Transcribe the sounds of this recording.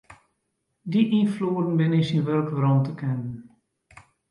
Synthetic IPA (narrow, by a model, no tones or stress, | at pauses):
diʔinfluːədən̩bɪnɪsinʋølkʋrɔntəkʰɛnən